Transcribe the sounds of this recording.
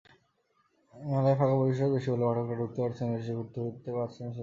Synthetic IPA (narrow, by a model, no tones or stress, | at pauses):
mɛlaefʰakaboiʃ̬obeʃibolebaʈʰokʈaɖʱuk̚t̪epaɾt͡ɕʰeneʃiɡuɾt̪oɡit̪epaɾt͡ɕʰen